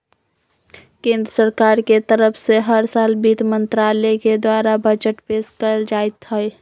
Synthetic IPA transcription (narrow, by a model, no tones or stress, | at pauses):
kẽːnd̪ɾəsəɾkaːɾket̪əɾəpʰseɦəɾsaːlbiːt̪mə̃nt̪ɾaːlɛked̪waːɾabəd͡ʒəʈpeːskəld͡ʒaːet̪ɦəj